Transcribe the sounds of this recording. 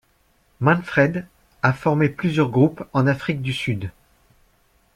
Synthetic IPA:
mɑ̃nfχɛd̪ | afɔʁmeplyzjœʁɡʁupɑ̃nafχik̚d̪ysyd̪

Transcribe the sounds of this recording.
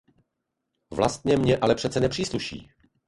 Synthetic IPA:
vla̰st̪̚ɲɛmɲɛʔalɛpr̝ɛt̪t͡sɛnɛpr̝̥iːsluʃḭː

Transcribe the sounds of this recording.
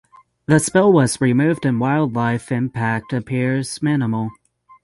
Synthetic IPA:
ðɨspɛlˠwʌzɹimʉvdɨ̃nwaɪlˠdˡlaɪfɪ̃mpʰæk̚tɨpʰɪɹz̥mɪnəml̩ˠ

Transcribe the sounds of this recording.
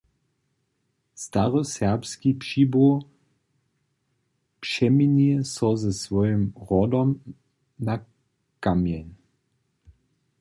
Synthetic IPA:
st̪aʁɔsɛʁpskipʂiːbo | pʂɛminiɛsɔzɛsvɔjəmʁɔdɔm | na | kamjɛn

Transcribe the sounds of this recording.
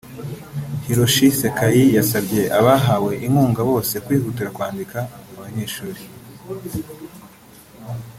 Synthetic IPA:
hiɾoʃisekajijasabɟe̞ʔaβaɦawe̞ʔiŋuːŋɡaβo̞ːse̞kwiːhutiɾakwaːndikaaβaɲe̞ːʃuːɾi

